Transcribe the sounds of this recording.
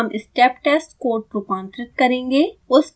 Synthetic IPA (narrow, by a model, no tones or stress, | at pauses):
mʔɪsʈɛːpʈɛsʈkoːɾʈ̚pukãːɳʈɾɪʈ̪̚kɐɾẽːŋɡeːʊs